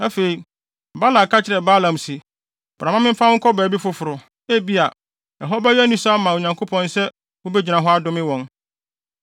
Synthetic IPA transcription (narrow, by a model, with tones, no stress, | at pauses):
a˦fe˨ɾi˨ | ba˦la˨kʰa˦t͡ɕʰɪ˨ɾɛ˨ba˦lã˨msɪ˨ | b̥ɾa˨mã˦mɪ̃˦m˦fã˦ʊ̃˦ŋ̩˦kʰɔ˦bæː˨˦bi˦fʊ˦fʊ˨ɾʊ˨ | e˦bi˦a˨ | ɛ˨ɦɔ˦ba˦ɥæ˦nĩ˦sa˦mã˨wo˨ɲã˨ŋkʰo˦pʰɔ̃˦n˦sɛ˦ | wʊ˦bɛ˦d͡ʑi˨nã˨ɦɔ˦a˦dʊ̃˦mɪ̃˦wɔ̃˨n